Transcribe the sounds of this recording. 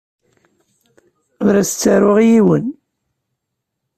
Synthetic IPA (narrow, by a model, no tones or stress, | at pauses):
ðɾæsət͡sːaɾʊʁjiwən